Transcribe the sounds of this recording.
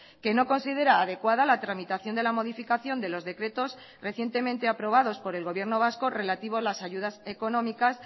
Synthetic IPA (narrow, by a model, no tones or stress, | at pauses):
ke̞no̞ko̞nsiðe̞ɾaːðekwaðalat̪ɾamit̪aθjo̞nd̪e̞lamo̞ðifikaθjo̞nd̪e̞lo̞zðe̞kɾe̞t̪o̞s | re̞θje̞nt̪e̞mẽnt̪e̞apɾo̞β̞aðo̞spo̞ɾe̞lɣo̞βje̞ɾno̞β̞asko̞re̞lat̪iβ̞oalasaʝuð̞ase̞ko̞nõ̞mikas